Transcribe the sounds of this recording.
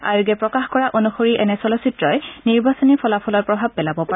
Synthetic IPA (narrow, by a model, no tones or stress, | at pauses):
aɹuɡɛpɹɔkaxkɔɹaʔonuxoɹiʔɛnɛsɔlɔsitɹɔjniɹbasonipʰɔlapʰɔlɔɹpɹɔbʱab̚ːɛlabɔpa